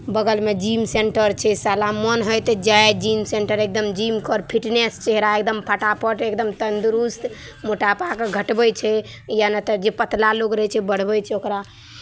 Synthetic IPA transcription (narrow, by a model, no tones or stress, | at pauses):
bəɡəlmed͡ʒimseɳʈəɾt͡ʃʰɛsalamənɦəjt̪ed͡ʒajed͡ʒimseɳʈəɾek̚d̪əmd͡ʒimkɔɾpʰiʈnest͡ʃeɦɾaekd̪əmpʰaʈapʰəʈekd̪əmt̪ənd̪uɾust̪ | moʈapakeɡʱəʈbɛt͡ʃʰɛ | janat̪əd͡ʒepət̪laloɡɾəɦɛt͡ʃʰɛbəɽ̤bət͡ʃʰɛokɾa